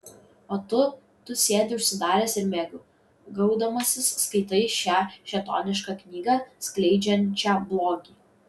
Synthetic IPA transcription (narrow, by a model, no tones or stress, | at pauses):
oːt̪ʊ | t̪ʊsʲeːd̪ʲɪʊʃʲsʲɪd̪ɑːɾʲɛːsɪɾmʲɛɡʊ | ɡɐʊd̪ɐmɐsʲɪsːkɐɪt̪ɐɪʃʲæːʃʲɛt̪ɔ̰ːnʲɪʃkɐknʲiːɡɑsklʲɛɪd͡ʒʲɛnʲt͡ʃʲæːblˠoːɡʲiː